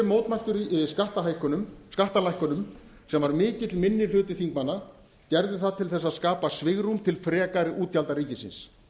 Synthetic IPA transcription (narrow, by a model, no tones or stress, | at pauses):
moːwt̪majl̥t̪ʏɾiskaht̪aɦaːjhkʏnʏmskaht̪alajhkʏnʏm | sɛmvaɾmɪːcɪt̪lmɪnːɪ̥l̥ʏːt̪ɪθiŋkmanːa | cɛɾðʏθaðt̪ʰɪlθɛsːaðskaːpasvɪɣɾumt̪ʰɪlfɾɛːkaɾɪʔuːt̪jalt̪aɾiːcɪsɪ̰ns